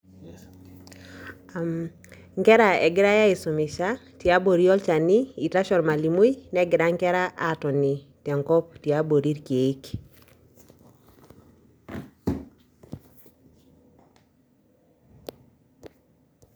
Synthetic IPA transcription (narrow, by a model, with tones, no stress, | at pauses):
m | ŋkɛ˦ɾa˨ɛ˨ɡɪ˦ɾa˦ja˦i˨so˨mɪ˨ʃa˦ | tja˦bo˨ɾi˦ɔ˦lt͡ʃa˨ni˦i˨ta˦ʃɔ˨nma˨li˨mo˦i˦nɛ˦ɡɪ˨ɾa˦ŋkɛ˦ɾa˦ʔa˦˨tɔ˨ni˨ | tɛ˨ŋkɔ˦p̚tje˨a˦bo˨ɾi˦ɾke˨˦k